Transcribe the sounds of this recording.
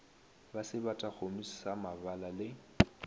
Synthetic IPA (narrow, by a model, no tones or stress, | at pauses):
basɪbatʼak͡xomissamabalalɪ